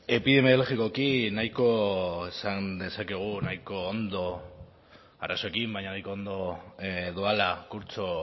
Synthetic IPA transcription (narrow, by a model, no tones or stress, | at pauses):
e̞piðe̞maelɣiko̞kinajko̞esand̪e̞sake̞ɣ̞unajko̞ːnd̪o̞ | aɾaso̞e̞kimbajɲanajko̞ond̪o̞ðualakuɾt͡so̞